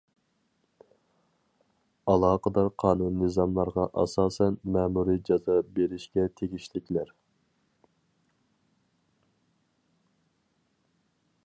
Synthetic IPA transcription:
ɑlˠɑːqəd̪ɑɾqʰɑːnunːɨzɑmlˠɑɾʁɑʔɑ̰sɑːsɛnmɛːmuɾid͡ʒɑzɑbeɾɪʃkʲɛt̪ʰeɡʲiʃlɪkʲlæɾ

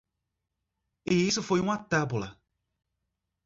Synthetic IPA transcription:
iisʊfojũatabula̰

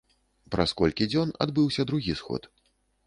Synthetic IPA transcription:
pɾaskɔlʲkʲid͡zʲɔna̰d̪bɨwsʲɐd̪ɾuɣʲisxɔ̰t̪

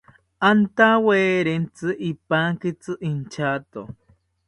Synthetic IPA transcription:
ant̪aweːɾent͡sɨʔipaŋkit͡sɨʔint͡ʃat̪o̰

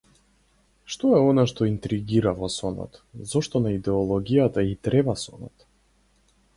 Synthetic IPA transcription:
ʃt̪ɔɛɔnaʃt̪ɔint̪ɾiɡiɾavɔsɔnɔ̰t̪zɔʃt̪ɔnaid̪ɛɔlˠɔɡijat̪ait̪ɾɛbasɔnɔ̰t̪

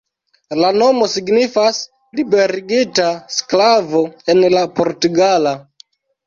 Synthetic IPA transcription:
lano̞mo̞siɡnifas | libe̞ɾiɡitasklavo̞e̞nlapo̞ɾtuɡala

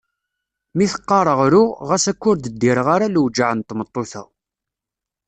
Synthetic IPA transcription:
miθə̥qːɑɾˤəʁɾʊʁæsækːʊɾd̪əd̪ːiɾəʁaɾaluwd͡ʒaʕənt̪ːmət̪ˤːoθæ̰

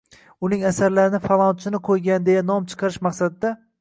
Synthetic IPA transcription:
ʊnɪŋasaɾlaɾɪnɪfalˠɒnt͡ʃʰɪnɪqʰojɡʲand̪e̞jan̪ɒmt͡ʃʰɨ̥qʰɑɾɪʃmɑqsad̪ɪd̪a

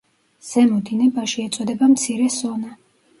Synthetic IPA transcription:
z̥ɛmɔd̪inɛbaʃiɛt̪sʼɔd̪ɛbamt̪sʰiɾɛsɔna

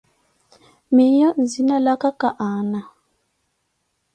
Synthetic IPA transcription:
mejɔnzinalakakaʔana

